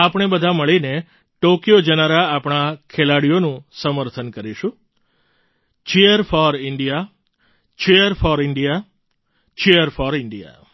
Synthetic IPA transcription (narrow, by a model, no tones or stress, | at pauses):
apɳ̃ebəd̪ʱaməɭine | ʈokjod͡ʒənaɾaːpɳ̃akʰelaɽijonũsəməɾt̪ʰənkəɾiʃũ | t͡ʃeəɾfɔɾɪɳɖija | t͡ʃeəɾfɔɾɪɳɖija | t͡ʃeəɾfɔɾɪɳɖija̰